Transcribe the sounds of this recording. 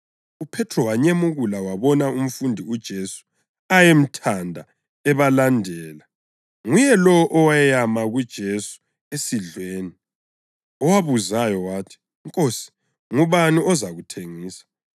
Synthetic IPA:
upʰɛtʰrɔwaɲemuɣulawaβɔnaum̩fundʱiud̥ʒ̥ʱesu̥ | ajem̩tʰandʱa | ɛβalandʱɛːla | ŋujɛlɔɔʔɔwajɛjamaɣud̥ʒ̥ʱesu̥ | esiɮweːni | ɔwaβuzajɔwaːtʰi̥ | ŋkʼosi̥ | ŋuβanuʔɔzaɣutʰeŋiːsḁ

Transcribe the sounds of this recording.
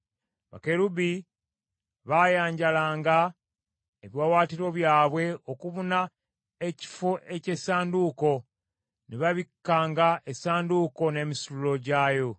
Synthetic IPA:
βa̰ke̞ɾubi | βajaːɲɟalaːŋɡa | eβjwawaːtiɾo̞βjaːβwe̞o̞kuβuna | e̞ci̥foʔe̞ce̞saːnduko̞ | neβaβikːaːŋɡaʔesaːnduko̞ne̞ːmisululo̞ɟaːjo̞

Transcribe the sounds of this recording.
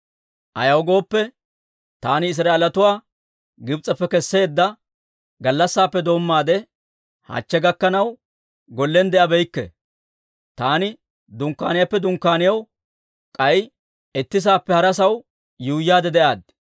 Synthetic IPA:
ʔɐ̰jɐwɔɡo̞ːpːɛ | t̪aːnɪɪs̬ɾaːʔelɐt̪ʊwaː | ɡɪbt͡sʼɐpːɛkɛsːe̞ːd̪ːɐ | ɡɐlːɐsːaːpːɛd̪o̞ːmːaːd̪ɛ | ha̰ːt͡ʃːɛɡɐkːɐnɐw | ɡɔlːɛnd̪ɛʔɐbɛjkːɛ̰ | t̪aːnɪ | d̪ʊŋkːaːnɪjɐpːɛd̪ʊŋkːaːnɪjɐw | kʼɐj | ɛt̪ːɪs̬aːpːɛhɐɾɐsɐw | juːjːaːd̪ɛd̪ɛʔaːd̪̚

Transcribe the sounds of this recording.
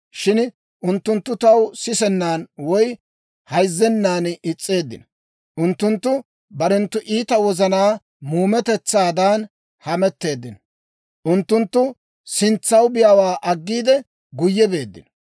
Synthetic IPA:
ʃɪn | ʔʊnt̪ːʊnt̪ːʊt̪ɐwsɪsɛnːaːnwɔj | hɐjzːɛnːaːnɪt͡sʼːe̞ːd̪ːɪ̰nɔ | ʔʊnt̪ːʊnt̪ːʊ | bɐɾɛnt̪ːʊʔiːt̪ɐwɔzɐnaː | muːmɛt̪ɛt͡sːaːd̪aːn | hɐmɛt̪ːe̞ːd̪ːɪnɔ̥ | ʔʊnt̪ːʊnt̪ːʊ | sɪnt͡sːɐwbɪjaːwaːʔɐɡːiːd̪ɛ | ɡʊjːɛbe̞ːd̪ːɪ̰nɔ̥

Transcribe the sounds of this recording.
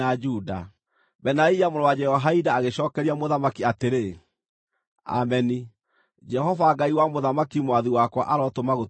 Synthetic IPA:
ad͡ʒuda̰ | bɛnaijamonowad͡ʒɛhɔɦaidaːɣeɕɔːkɛɾiamoðamakiateɾe | a̰mɛni | d͡ʒɛhɔvaːɡaiwamoðamakimwaðiwakwa̰ʔaɾɔtomaɣo

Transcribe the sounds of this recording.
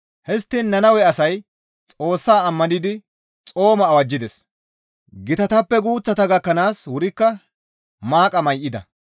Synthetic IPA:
hɛst̪ːinːɐnɐwɛɐsɐj | t͡sʼo̞ːsːaːɐmːɐnɪd̪ɪ | t͡sʼo̞ːmɐːwɐd͡ʒːɪd̪ɛs | ɡɪt̪ɐt̪ɐpːɛɡuːt͡sːɐt̪ɐɡɐkːɐnaːswʊɾɪkːɐ | maːkʼɐmɐjʔɪd̪ɐ̰

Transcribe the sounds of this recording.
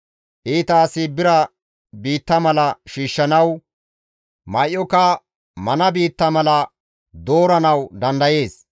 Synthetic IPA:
ʔiːt̪aːsɪbɪɾɐ | biːt̪ːɐmɐlɐʃiːʃːɐnɐw | mɐjʔːɔkɐ | mɐnɐbiːt̪ːɐmɐlɐ | d̪o̞ːɾɐnɐwd̪ɐnd̪ɐje̞ːs

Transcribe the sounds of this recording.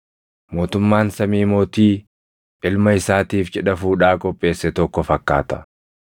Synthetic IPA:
mo̞ːt̪ʊmːaːnsɐmiːmo̞ːt̪iː | ʔɪlmɐɪsaːt̪iːfd͡ʒɛᶑɐfuːᶑaːkʼɔpʼːe̞ːsːɛt̪ɔkːɔfɐkːaːt̪ɐ̥

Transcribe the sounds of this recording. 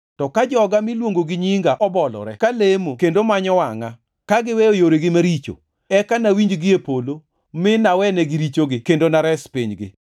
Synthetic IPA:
tɔkad͡ʒɔɡamɪlwoŋɡoɡɪɲiŋɡaʔɔbɔlɔ̰ɾɛkalemokendomaɲɔwaŋa | kaɡɪwɛojoɾeɡɪmaɾit͡ʃo̰ | ɛkanawiɲd͡ʒɡɪepolo | mɪnawɛnɛɡɪɾit͡ʃoɡɪkendonaɾɛspiɲɡɪ̰

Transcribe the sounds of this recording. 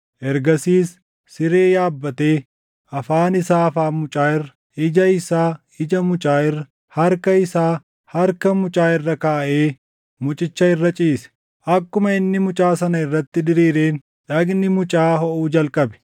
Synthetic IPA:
ʔɛɾɡɐsiːsː | ɪɾeːjaːbːɐt̪e̞ː | ʔɐfaːnɪsaːɐfaːmʊt͡ʃʼaːɪrːɐ̥ | ɪd͡ʒɐɪsaː | ɪd͡ʒɐmʊt͡ʃʼaːɪrːɐ | hɐɾkɐɪsaː | hɐɾkɐmʊt͡ʃʼaːɪrːɐkaːʔeː | mʊt͡ʃʼɪt͡ʃːɐɪrːɐt͡ʃʼiːsɛ̥ | ʔɐkːʊmɐɪnːɪmʊt͡ʃʼaːsɐnɐɪrːɐt̪ːɪd̪ɪɾiːɾeːn | ᶑɐɡnɪmʊt͡ʃʼaːɦɔʔuːd͡ʒɐlkʼɐbɛ̥

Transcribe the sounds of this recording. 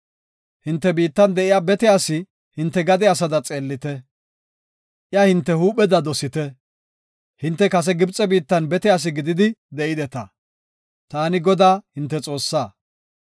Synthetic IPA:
hɪnt̪ːɛbiːt̪ːɐnd̪ɛʔɪjaːbɛt̪ɪjaːsɪ | hɪnt̪ːɛɡɐd̪ɛɐs̬ɐd̪ɐt͡sʼe̞ːlːɪt̪ɛ | ʔjɐhɪnt̪ːɛhuːɓɛd̪ɐd̪ɔsɪt̪ɛ | hɪnt̪ːɛkɐs̬ɛɡɪbt͡sʼɛbiːt̪ːɐnbɛt̪ɪjaːs̬ɪɡɪd̪ɪd̪ɪd̪ɛʔɪd̪ɛt̪ɐ | t̪aːnɪɡɔd̪aːhɪnt̪ːɛt͡sʼo̞ːsːaː

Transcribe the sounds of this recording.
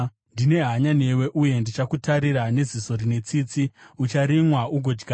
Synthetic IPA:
ndine̞ɦaɲane̞we̞ʔuje̞ndit͡ʃakutaɾiɾane̞ziso̞ɾine̞t͡sit͡siut͡ʃaɾimwauɡʱo̞d͡ʒɡa

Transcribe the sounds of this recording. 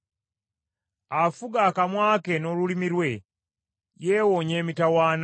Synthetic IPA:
afuɡakamwaːke̞no̞lulimiɾwe̞ | jeːwoɲe̞ːmitawaːn

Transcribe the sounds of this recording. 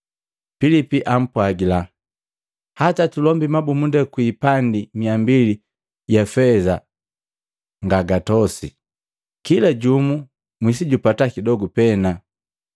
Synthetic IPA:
filipiʔam̩pwaɡila | hatatulɔmbimabumundɛkwiːpandimiambili | jafɛza | ŋɡaɡatɔsḭ | kilaɟumu | mwis̬iɟupatakidɔɡupɛna

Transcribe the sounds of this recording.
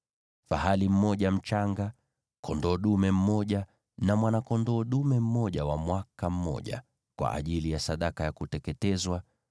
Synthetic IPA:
fahalim̩mɔʄam̩t͡ʃaŋɡa | kʰɔndɔːɗumɛm̩mɔʄa | namwanakɔndɔːɗumɛm̩mɔʄawamwakam̩mɔ̰ʄa̰ | kwa̰ʔa̰ʄilijasaɗakajakutɛkɛtɛzwa

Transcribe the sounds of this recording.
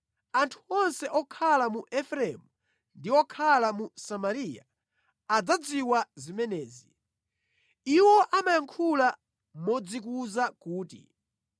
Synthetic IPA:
antʰu̥ɔnsɛʔɔkʰalamuʔɛfɾɛmu | ndiɔkʰalamusamaɾija | ad͡zad͡ziwazimɛnɛːzi | iwɔʔamajaŋkʰula | mɔd͡zikuzakuːtḭ

